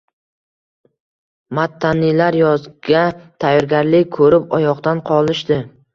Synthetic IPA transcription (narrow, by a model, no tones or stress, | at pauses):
mat̪ʰːanilaɾjɒzɡʲat̪ʰajːɒɾɡʲaɾlɪkʲkʰɵɾɪpɒjɒqt̪anqʰɒlˠɪʃd̪ɪ